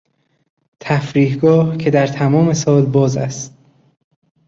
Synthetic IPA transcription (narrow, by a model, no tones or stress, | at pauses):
t̪ʰæfɾiːhɡɒːhcʰe̞d̪æɾt̪ʰæmɒːme̞sɒːlbɒːzæ̰st̪̚